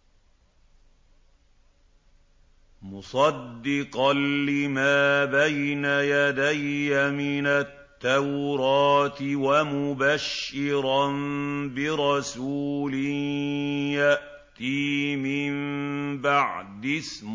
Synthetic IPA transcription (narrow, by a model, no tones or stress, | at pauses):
mʊsˤɑd̪ːɪqɑnːɪmaːbajnajad̪ajːamɪnat̪ːawɾɑːt̪ɪwamʊbaʃːɪɾˤɑnbɪɾˤɑsuːlɪnjaʔ | t̪iːmɪmbaʕd̪ɪsm